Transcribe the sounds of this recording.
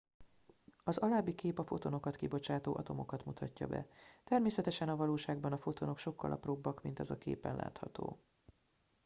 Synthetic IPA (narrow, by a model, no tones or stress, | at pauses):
ɒzɒlaːbːikeːpɒfo̞t̪o̞no̞kɒt̪kibo̞t͡ʃaːt̪oːʔɒt̪o̞mo̞kɒt̪mut̪ʰɒcːɒ̰bɛ̰t̪ɛrmeːsɛt̪ɛʃɛnɒvɒloːʃaːɡbɒnɒfo̞t̪o̞nokʃo̞kːɒ̰lʔɒ̰probːɒkmint̪ɛzɒkḛːpɛ̰nlʔa̰ːt̪hɒt̪o̰ː